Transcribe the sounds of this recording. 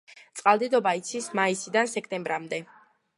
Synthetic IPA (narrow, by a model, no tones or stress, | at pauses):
t̪sʼqʼalˠd̪ɛd̪ɔbait̪sʰismaisid̪ansɛkʰt̪ʼɛmbɾamd̪ɛ